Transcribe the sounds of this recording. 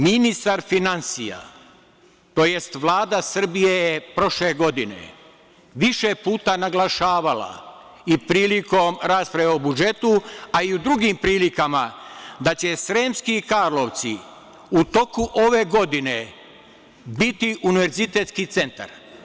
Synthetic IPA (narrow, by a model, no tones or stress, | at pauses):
minist̪aɾfinansija̰ | t̪o̞je̞st̪ʋlˠaːd̪asr̩bijejepɾo̞ʃle̞ɡo̞d̪inḛ | ʋiʃe̞puːt̪anaɡlˠaʃaːʋala̰ | ipɾiːliko̞mɾaːspɾajeobud͡ʒe̞t̪uaiud̪ɾuɡimpɾiːlikamad̪at͡ɕe̞sɾeːmskikaɾloʋt̪si | ut̪o̞kuʔoʋe̞ɡo̞d̪ine | bit̪iʔuniʋe̞ɾzit̪e̞t̪skit̪se̞nt̪a̰ɾ